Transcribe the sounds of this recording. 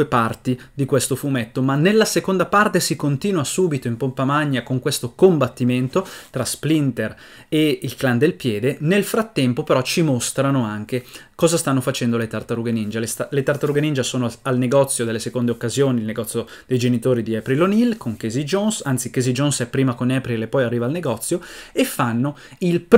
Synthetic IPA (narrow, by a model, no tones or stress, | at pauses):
uepart̪i | d̪ikwest̪ofumɛt̪ːomanːelːasekond̪apart̪esikont̪iːnwasuːbit̪oimpompamaɲːakoŋkwest̪okombat̪ːiment̪ot̪ɾasplint̪er | eilkland̪elpjɛːd̪enelfɾat̪ːɛmpopeɾɔt͡ʃimost̪ɾanoaŋk̟ekɔːzast̪anːofat͡ʃɛnd̪olet̪art̪aɾuɡenind͡ʒalest̪alet̪art̪aɾuɡenind͡ʒasoːnoalneɡɔt̪sːjod̪elːesekond̪eokːazjoːnilneɡɔt̪sːjo | d̪̥ejd͡ʒenit̪oːɾid̪iɛpɾilonilkʰoŋkezid͡ʒonsant̪sik̟ezid͡ʒonsɛpːɾiːmakonɛpɾilepːɔjarːiːvaːlneɡɔt̪sːjoefːanːo | ilp